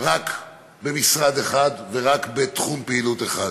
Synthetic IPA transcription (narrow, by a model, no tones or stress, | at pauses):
ʁak | be̞misʁad̪eχad̪ve̞ʁakbet̪χumpeilut̪eχa